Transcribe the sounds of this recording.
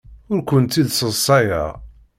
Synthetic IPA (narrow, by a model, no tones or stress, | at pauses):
ʊɾkʷənt̪ːiðsəsˤːɑja̰